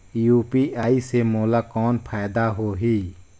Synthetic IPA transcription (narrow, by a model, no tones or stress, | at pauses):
juːpiːʔaːiːseːmoːlaːkɔːnpʰaːd̪aːɦoːɦiː